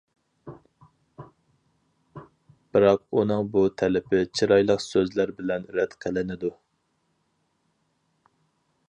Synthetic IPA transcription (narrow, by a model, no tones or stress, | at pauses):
b̥ɨɾɑq̚unɨŋbut̪ʰɛlɪpʰɪt͡ʃʰiɾɑjlˠəqsøzlæɾbɪlɛnɾɛt̪qʰəlɪnɪd̪u